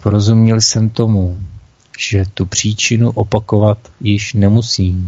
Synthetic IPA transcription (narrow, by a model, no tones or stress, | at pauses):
poɾo̞zumɲɛlsɛmt̪o̞mu | ʒ̥ɛt̪upr̝̥iːt͡ʃɪnuʔo̞pako̞vat̪jɪʃnɛmusiː